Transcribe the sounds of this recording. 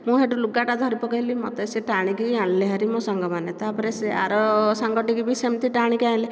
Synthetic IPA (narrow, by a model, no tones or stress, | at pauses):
mũɦeʈuluɡaʈad̪ʱɔɾipɔkɔɦilimɔt̪eseʈaɽ̃ikiaɽ̃leɦaɾimɔ̃sɔŋɡɔmanet̪apɔɾesea̰ɾɔsaŋɡɔʈikibisemt̪iʈaɽ̃ĩkiaĩle